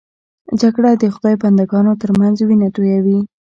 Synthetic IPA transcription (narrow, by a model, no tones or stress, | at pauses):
d͡ʒaɡɽad̪əxʊd̪ɑjpand̪aɡɑnot̪əɾmanzwinat̪ojawi